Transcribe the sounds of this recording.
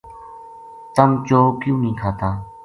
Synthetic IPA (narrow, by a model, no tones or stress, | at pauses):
t̪əmt͡ʃoːkjũːnĩːkʰaːt̪aː